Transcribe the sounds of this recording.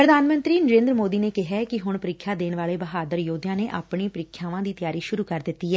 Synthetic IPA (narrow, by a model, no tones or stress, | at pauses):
pɾəd̪aːnmə̃nt̪ɾiːnəɾẽːnd̪ɾəmoːd̪iːneːkɪɦɛːkɪɦʊɳpəɾɪkʰːjaːd̪eːnʋaːleːbəɦaːd̪əɾjoːd̪jãːneːʔaːpɳiːpəɾɪkʰːjaːʋãːd̪iːt̪ɪjaːɾiːʃʊɾuːkəɾd̪ɪt̪ːiːɛː